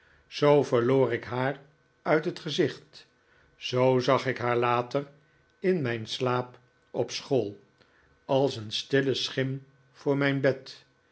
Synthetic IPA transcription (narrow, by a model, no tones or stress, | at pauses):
z̥owvəɹloːɾɪkɦaːr | œɥtɦətχəzɪχt | z̥owzɑχɪkɦaːɹlaːtər | ɪnmɛjnslaːp | ɔpsχoːlˠ | ɑlˠsənstɪləsχɪm | v̥ʊːɹmɛjnbɛt